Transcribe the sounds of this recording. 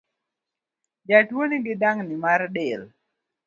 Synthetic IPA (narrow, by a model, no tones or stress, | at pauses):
d͡ʒatwoniɡɪdaŋnimaɾɗel